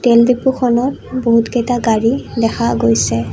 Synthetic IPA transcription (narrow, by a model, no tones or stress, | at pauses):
telbipuxʰɔnɔt | boɦutɡɛtaɡaɹidɛxaɡojsɛ